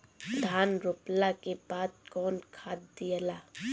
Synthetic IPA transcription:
d̪ʱaːnɾʊplakebaːd̪̚kɔːnkʰaːd̪d̪ijəla

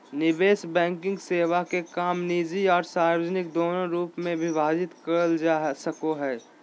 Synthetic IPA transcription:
nɪbeːsbɛ̃ːŋkɪ̃ŋɡseːʋakekaːmniːd͡ʒiɔːɾsaːɾoːd͡ʒnɪk̚d̪oːnõɾuːpmẽbʱɪbaːd͡ʒɪt̪kəɾəld͡ʒasəkoɦɛː

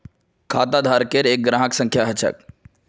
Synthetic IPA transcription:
kʰaːt̪ad̪ʱaɾkeɾeːk̚ɡɾãːɦəksə̃ŋkʰjaɦət͡ʃʰə̰k̚

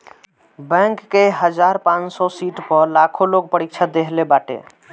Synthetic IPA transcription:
bɛ̃ŋkːeɦəd͡ʒaɾpãnt͡ʃsɔsiʈpəɾlakʰolok̚pəɾik̚t͡ʃʰad̪eɦlebaʈḛ

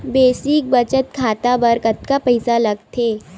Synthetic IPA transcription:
besik̚bət͡ʃət̪kʰat̪abəɾkət̪kapəjsaləɡt̪ʰe

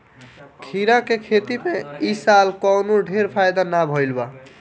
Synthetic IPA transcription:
kʰiɾakekʰet̪imeisalkɔwnoɖʱeɾpʰajd̪anabʱɔjlba

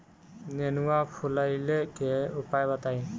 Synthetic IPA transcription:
nɛnuwapʰulajlɛkɛupajbataj

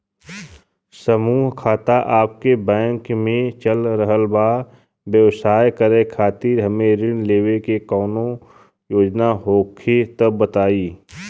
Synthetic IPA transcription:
səmuːɦkʰaːt̪aʔaːp̚kebɛ̃ːŋkmẽt͡ʃəlɾəɦəlbaː | bjəwsaːjkəɾekʰaːt̪iːɾɦəmẽɾɪɳleːwekekɔːnõ | joːd͡ʒnaɦoːkʰet̪əːət̪aːiː

